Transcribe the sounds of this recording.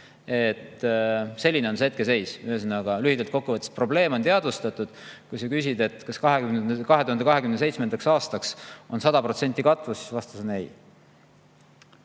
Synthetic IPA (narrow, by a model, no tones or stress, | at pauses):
e̞t̪se̞lʲːineo̞nseet̪̚kese̞jsyhesenɑɡ̥ɑlyhid̪̥ɑlt̪̚ko̞kːuvɤt̪e̥st̪̚pro̞ble̞ːmo̞nt̪eɑd̪vust̪ɑt̪ːˑud̪̥kujsɑkys̬ʲid̪̥e̞t̪kɑskɑɦekymnkɑɦe̞t̪uhɑnd̪e̞kɑɦe̞kymnese̞jt̪smend̪ɑksɑːst̪ɑkso̞nsɑd̪̥ɑprot̪se̞nʲt̪ʲːˑikɑt̪vusi̥svɑst̪ɑsenej